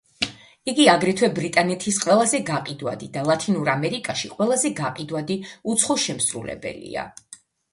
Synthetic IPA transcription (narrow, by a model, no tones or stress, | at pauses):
iɡiaɡɾɛt̪ʰwɛbɾit̪ʼanɛt̪ʰisqʼwɛlˠazɛɡaqʼid̪wa̰d̪id̪alˠat̪ʰinuɾamɛɾikʼaʃiqʼwɛlˠazɛɡaqʼid̪wad̪iut̪sʰχɔʃɛmsɾṵlɛ̰bɛ̰lḭa̰